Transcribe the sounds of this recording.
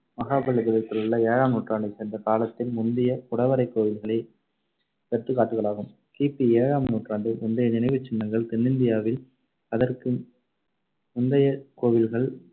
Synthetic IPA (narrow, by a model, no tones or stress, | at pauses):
mɐɣaːbɐɭɯɡɐðɐk̪ːɯlɯɭːɐeːɻaːmnuːʈraːɳɖɯsɛnd̪ɐkaːlɐt̪ːɪlmʊnd̪ɪjɐkʊɽɐʋɐɾɐɪkːoːʋɪlɣɐɭɐɪ | pɛʈt̪ːɯkːaːʈːɯɣɐɭaːɣɯm | kiːpːieːɻaːmnuːʈraːɳɖɯmʊnd̪ɐjɐnɪnɐɪʋɯt͡ʃːɪɳːɐŋɡɐɭt̪ɛnːɪnd̪ɪjaːʋɪl | ɐðɐrkɯ | mʊnd̪ɐjɐkoːʋɪlɣɐɭ